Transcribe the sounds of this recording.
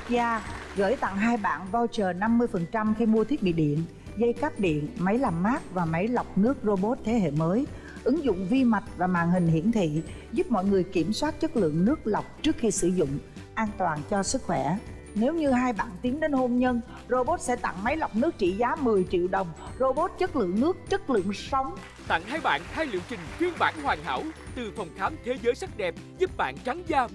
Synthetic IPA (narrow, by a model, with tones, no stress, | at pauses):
zaː˧ɣə̰ː˧˩jt̪a̰˧˨ŋɦaː˧jɓa̰ː˧˨nvɔ˧wt͡ɕəː˨˩na˧mːɨ˧əjfə˨˩nt͡ɕa˧mxi˧mu˧ət̪ʰi˦˥əɓḭ˧˨ɗḭ˧˨ən | ɣə˧jkaː˦˥p̚ɗḭ˧˨ənma˨˦jla˨˩mːaː˦˥k̚vaː˨˩ma˨˦jla˨˩wk͡p̚nɨ˦˥ək̚zo˧ɓo˦˥t̚t̪ʰe˨˦ɦḛ˧˨məː˨˦j | ʔɨ˨˦ŋzʊ̰˧˨ŋ͡mvi˧ma˨˩t̚vaː˨˩ma̰ː˧˨nhï˨˩ŋ̟hḭ˧˩ənt̪ʰḭ˧˨ | zu˦˥p̚mɔ̰˧˨jŋɨ˨˩əjki˧˩əmswaː˦˥t̚t͡ɕə˦˥t̚lɨ̰˧˨əŋnɨ˦˥ək̚la˨˩wk͡p̚t͡ɕɨ˦˥ək̚xi˧sɨ˧˩zʊ̰˧˨ŋ͡m | ʔaː˧nt̪waː˨˩nt͡ɕɔ˧sɨ˦˥k̚xwɛ˧˩ | ne˨˦wɲɨ˧haː˧jɓa̰ː˧˨nt̪i˨˦ənɗe˨˦nho˧mɲə˧n | zo˧ɓo˦˥t̚sɛ̰˧˥t̪a̰˧˨ŋma˨˦jla˨˩wk͡p̚nɨ˦˥ək̚t͡ɕḭ˧˨zaː˨˦mɨ˨˩əjt͡ɕḭ˧˨əwɗə˨˩wŋ͡mzo˧ɓo˦˥t̚t͡ɕə˦˥t̚lɨ̰˧˨əŋnɨ˦˥ək̚t͡ɕə˦˥t̚lɨ̰˧˨əŋsa˨˦wŋ͡m | t̪a̰˧˨ŋhaː˧jɓa̰ː˧˨nt̪ʰaː˧jlḭ˧˨wt͡ɕï˨˩ŋ̟fi˧ənɓa̰ː˧˥nhwaː˨˩ŋɦa̰ː˧˩wt̪ɨ˨˩fə˨˩wŋ͡mxaː˨˦mt̪ʰe˨˦zəː˨˦jsa˦˥k̚ɗɛ˨˩p̚zu˦˥p̚ɓa̰ː˧˨nt͡ɕa˨˦ŋzaː˧